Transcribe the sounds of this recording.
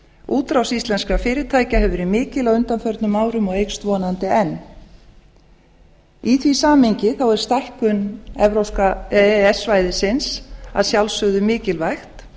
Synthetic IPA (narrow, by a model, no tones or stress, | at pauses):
ʔuːt̪ɾawsist̪lɛnskafɪːɾɪ̥t̪ʰaːjcaɦɛvʏɾimɪːcɪlawʏnt̪anfœɾt̪nʏmaːwɾʏmɔɣejkst̪vɔːnant̪ɪɛnː | iθʰvisaːmhɪɲcɪθawɛɾ̥st̪ajhkʏnɛvɾowskaɛsvajðɪsɪnsa̰ðsjawlsœɣðʏmɪːcɪlvajxt̪